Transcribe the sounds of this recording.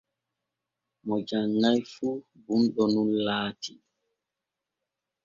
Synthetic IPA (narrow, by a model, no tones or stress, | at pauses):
mɔd͡ʒaŋːajfu | bunɗɔnunlaːtʰi